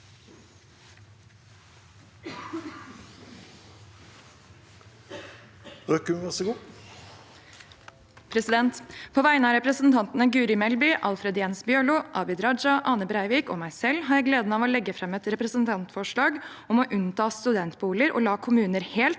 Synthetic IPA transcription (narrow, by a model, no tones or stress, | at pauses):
økʉmʋɑsəɡuː | pʰɾɛsɪd̪ɛnt̪pʰoːʋæɪənɑːɾɛpɾəsn̩t̪ʰɑnt̪nəɡʉːɾɪmɛlbʏʔɑlfɾɛd̪jeːnsbjøːɭuːʔɑːbɪd̪ɾɑd͡ʒɑʔɑːnəbɾæɪʋiːko̰ːmæɪsɛlɦɑɾjæɪɡleːd̪n̩ɑːʋoːlɛɡːəfɾɛmɛt̪ɾɛpɾəsənt̪ʰɑnt̪fɔʂɭɑːɡ | ɔmoːʔʉnt̪ʰɑːst̪ʉd̪ɛnt̪buːləɾʔo̰ːlɑːkʰʊmʉːnəɾheːlt̪